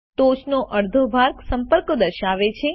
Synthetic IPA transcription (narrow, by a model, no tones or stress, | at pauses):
t̪ot͡ʃnoʔəɾd̪ʱobʱaɾksəmpəɾkod̪əɾʃaʋet͡ʃʰe